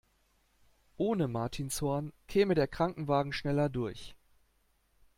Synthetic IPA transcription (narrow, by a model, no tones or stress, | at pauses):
ʔoːnəmaɐtʰiːnshɔːɐnkʰɛːmədeːɐkʁ̥aŋkŋ̩vaːɡŋ̩ʃnɛlɐdʊɐç